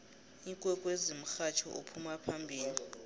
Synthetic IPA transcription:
iŋkʼwɛkʼwezim̩xat͡ʃʰɔʔopʰumapʰambʱiːli

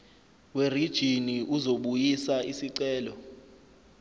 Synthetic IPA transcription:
werid̥ʒ̥ʱiniʔuzoɓujisaisiǀɛːlɔ

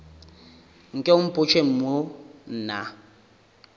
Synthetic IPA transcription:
ŋ̩kʼɛʊm̩pʼʊt͡ʃʰʼem̩mon̩ːna

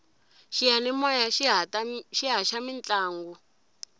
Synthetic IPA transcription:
ʃijanɛmɔjaʃʃiɦaʃamint͡ɬaːŋɡu

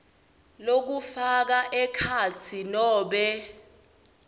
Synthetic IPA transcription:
lok̬ufak̬aʔɛkʰat͡sʰinɔːɓɛ

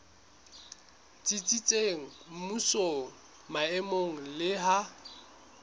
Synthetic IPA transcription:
t͡sʼit͡sʼit͡sʼeŋ̩m̩musoŋ̩ | maɛmoŋ̩lɪɦa

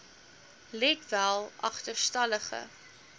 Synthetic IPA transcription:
lɛtvælˠʔɐ̰χtərstɐləχə̰

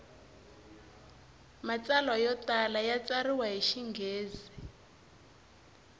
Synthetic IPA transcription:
mat͡salwajɔtalajat͡sariwaɦiʃiŋɡeːzi

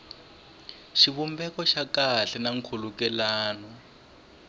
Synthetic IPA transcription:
ʃiβumbɛkɔʃakaɬɛnaŋ̩kʰulukɛlaːnɔ

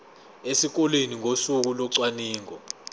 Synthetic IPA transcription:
esik̬ɔleniŋʱosuk̬ulɔǀwaniːŋʱɔ

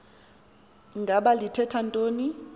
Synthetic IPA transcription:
ŋɡʱaɓalitʰɛtʰantʼoːni

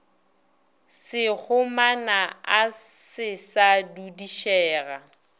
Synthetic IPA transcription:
sɪɣʊmanaasɪsadudiʃɛːɣa

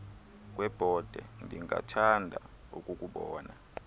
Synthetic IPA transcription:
k̬ʼwɛb̥ʱɔd̥ʱɛndʱiŋɡa̰tʰandʱa | ṵkʼukʼuɓɔːna

